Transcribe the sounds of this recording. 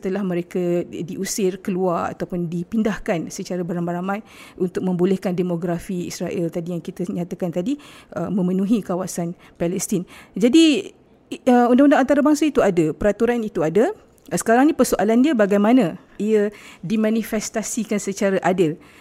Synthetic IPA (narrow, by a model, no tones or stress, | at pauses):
sət̪əlahməɾekadiʔusɪrkəluara̰t̪awpʊndipindahkansət͡ʃaɾabəɾanbaɾamãj | ʔunt̪ʊk̚mə̃mbulɛhkandemoɡɾafiḭsɾaʔɛlt̪adijaŋkit̪aɲãt̪akant̪adiəmə̃mənũɦikawasan | palɛst̪ind͡ʒadi | əundaŋundaŋant̪aɾabaŋsait̪uadəpəɾat̪uɾanit̪uada | sə̥kaɾaŋnĩpərsoʔalandiəbaɡajmanã | iədimãnifɛst̪asikansət͡ʃaɾaʔadəl